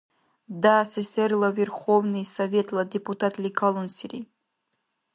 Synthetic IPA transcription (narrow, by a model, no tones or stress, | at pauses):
d̪asesʲɛrlˠɐvʲerxovnɨjsɐvʲet̪lˠɐd̪ʲɪput̪at̪lʲikʰalˠunsʲiɾʲi